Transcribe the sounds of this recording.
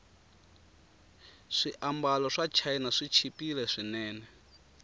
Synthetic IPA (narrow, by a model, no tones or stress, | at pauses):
ʂiʔambalɔʂat͡ʃʰainaʂit͡ʃʰipilɛʂinɛːnɛ